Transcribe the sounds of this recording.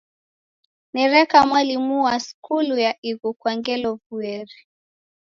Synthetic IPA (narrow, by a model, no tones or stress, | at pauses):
nɛɾɛkamwalimuwaskulujaʔiɣukwaŋɡɛlɔvuɛɾi